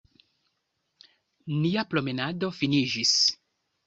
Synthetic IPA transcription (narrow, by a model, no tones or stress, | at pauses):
niaplo̞me̞nado̞finid͡ʒis